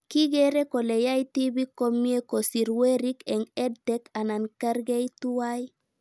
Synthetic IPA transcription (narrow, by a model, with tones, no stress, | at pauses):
ki˦ɡe˦ɾe˦ko˨le˨ja˦jti˦bi˦ko˦mi˦e˦ko˨si˨ɾwe˦ɾi˦ke˨ŋe˦dte˦ka˨na˨nka˦ɾɡe˦jtu˦wa˦j